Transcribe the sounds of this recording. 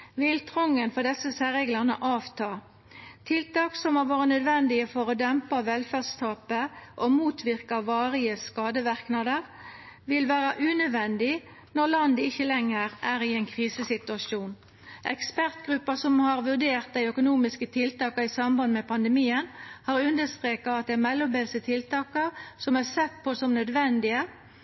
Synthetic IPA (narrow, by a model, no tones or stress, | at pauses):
ʋɪlt̪ʰʁɔŋːənfɔʁɖ̪ɛsəsæʁɛɡlɑʁnə̰ʔɑːʋt̪ʰɑː | t̪ʰɪlt̪ɑːksɔmɑʋɑːʁənœd̪ʋɛnd̪ɪəfɔʁod̪ɛmpɑʋɛlfædst̪ʰɑːpəʔomuːt̪ʰʋɪʁkɑʋɑːʁɪəskɑːd̪əʋæʁknɑd̪əʁ | ʋɪlʋæːʁɑʔʉːnœd̪ʋɛnd̪ɪ | nɔʁlɑnd̪əɪçːəlɛŋːəʁæːɾɪɛɪnkʰʁiːsəsɪt̪ʉɑʂuːn | ʔɛ̰kspæʁt̪ɡʁʉpːəsɔmhɑʁʋʉʁd̪eːʁt̪̚d̪æɪœkʊnuːmɪskət̪ʰɪlt̪ɑːkɑɪsɑmbɑnd̪əmɛpʰɑnd̪əmiːənhɑːʁʉnd̪əst̪ʁeːkɑɑt̪̚d̪ɛmɛlːɔbɛlsət̪ʰɪlt̪ɑːkɑsɔmæsɛt̪ːpʰɔsɔmnœd̪ʋɛnd̪ɪə